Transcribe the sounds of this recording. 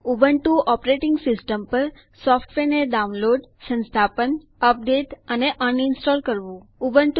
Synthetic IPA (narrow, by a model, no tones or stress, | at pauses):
ubəɳʈũʔɔpɾeʈɪŋɡsɪsʈəmpəɾ | sɔfʰʈʋeneɖaunloɖsə̃nst̪ʰapən | əp̚d̪et̪əneʔənɪnsʈɔlkəɾʋũubənʈ